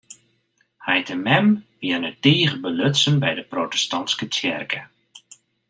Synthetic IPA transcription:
hɛjtʰəmɛmʋiənədiːχəbəløtsənbɛjdəprotə̥stɔnskətʰɛ̰rkʰə

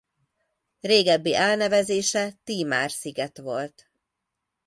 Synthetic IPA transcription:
reːɡɛbːiʔɛlnɛvɛzeːʃɛt̪iːma̰ːrsiɡɛt̪ʋo̞lt̪

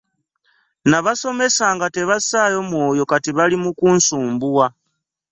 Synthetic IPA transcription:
naβaso̞me̞saːŋɡate̞βasaːjo̞mwo̞ːjo̞katiβalimukunsuːmbuwa

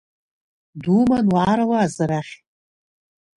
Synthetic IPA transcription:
dumanwʕaɾalaːzaɾaχʲ

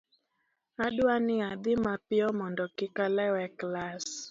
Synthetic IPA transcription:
adʊanɪad̪ɪmapɪɔmɔndɔkɪkalɛwɛklas

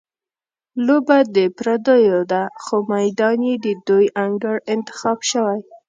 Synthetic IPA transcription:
lobad̪əpɾad̪əjod̪axomajd̪ɑnjed̪əd̪ujʔaŋɡəɽɪnt̪ɪ̥xɑbʃəwaj

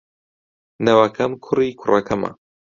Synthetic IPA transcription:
nɐwakʰɐmkʰʊrikʰʊrɐkʰɐmɐ̰

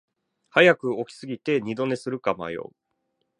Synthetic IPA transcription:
hajakɯ̟o̞kʲi̥sɨɡʲit̪e̞ɲ̟id̪o̞ne̞sɨɾɯ̟kama̰jo̞̰

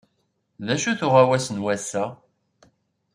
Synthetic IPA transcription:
ðæʃuθʊʁawæsənwæsæ

